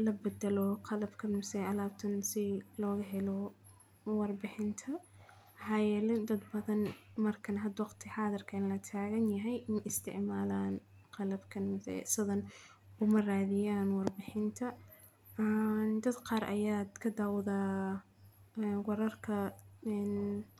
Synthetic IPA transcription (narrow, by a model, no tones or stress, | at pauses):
lɐbɛd̪ɐlɔqɑlɐbkʰɐnmɐsɛjɐlaːbt̪ʰɐnsɪlɔːɣɐɦɛlɔ | wɑrbɪħɪnt̪ʰɐ | ħɑjɛːlɛd̪ɐd̪bɐðɐnmɐrkʰɐnɦɐd̪wɑqt̪ʰɪħɑːðɪrkʰɐnlɐt̪ʰaːɣɐnjɐɦɛjʔɪnʔɪst̪ʰɪ̰ʕmaːlaːn | qɑlɐbkʰɐnmsɛ̰sɐðɐn | ʊmɐraːðɪjaːnwɑrbɪħɪnt̪ʰɐ | nd̪ɐd̪qɑːɾʔɐ̰jaːd̪kʰɐd̪aːwðaː | wɑɾɐrkʰɐɛn